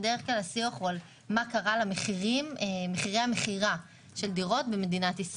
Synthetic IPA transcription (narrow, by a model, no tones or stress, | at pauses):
deeχklalasioχual | makaʁalameχiʁimmeχiʁehameχiʁa | ʃeldiʁo̞tbe̞me̞dinatis